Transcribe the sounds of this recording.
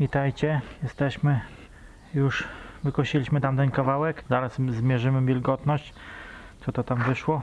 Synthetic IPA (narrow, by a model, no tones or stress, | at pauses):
vʲit̪ajt͡ɕɛjɛst̪ɛɕmɘ | juʂvɘkɔɕilʲiɕmɘt̪amt̪ɛnkavawɛkzaɾasːmʲjɛʐɘmɘvʲilɡɔt̪nɔɕt͡ɕ | t̪sɔt̪ɔt̪amvɘʂwɔ